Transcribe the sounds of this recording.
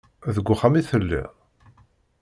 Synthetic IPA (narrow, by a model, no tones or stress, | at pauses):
ðəɡʷːʊχamiθəlːḭ